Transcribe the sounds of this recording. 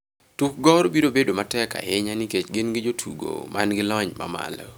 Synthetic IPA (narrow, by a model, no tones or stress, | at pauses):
tuk̚ɡɔɾbiɾobedomatɛka̰hɪɲanɪket͡ʃɡɪnɡɪd͡ʒotʰṵɡo̰manɡɪlɔɲma̰ma̰lɔ̰